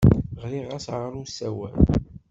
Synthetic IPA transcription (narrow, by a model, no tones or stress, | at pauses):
ʁliʁæsʕəɾˤusæwæ̰l